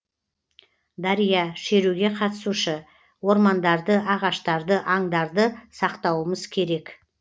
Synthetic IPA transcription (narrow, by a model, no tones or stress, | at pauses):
d̪ɑɾijɑʃe̞ɾuɡʲe̞qʰɑt̪əsuʃə | wo̞ɾmɑnd̪ɑɾd̪əʔɑʁɑʃt̪ɑɾd̪əʔɑŋd̪ɑɾd̪əsɑqt̪ɑwəməzkʲʰe̞ɾe̞k